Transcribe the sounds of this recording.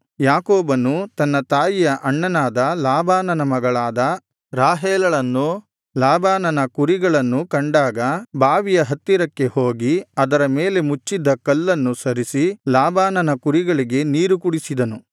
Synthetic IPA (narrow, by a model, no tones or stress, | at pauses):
jaːkoːbɐnːut̪ɐnːɐt̪aːjijɐʔɐɳːɐnaːd̪ɐlaːbaːnɐnɐmɐɡɐɭaːd̪ɐ | ɾaːɦeːlɐɭɐnːu | laːbaːnɐnɐkuɾiɡɐɭɐnːukɐɳɖaːɡɐbaːʋijɐɦɐt̪ːiɾɐkːe̞hoːɡiɐd̪ɐɾɐmeːle̞mut͡ʃːid̪ːɐkɐlːɐnːusɐɾisilaːbaːnɐnɐkuɾiɡɐɭiɡe̞niːɾukuɽisid̪ɐnu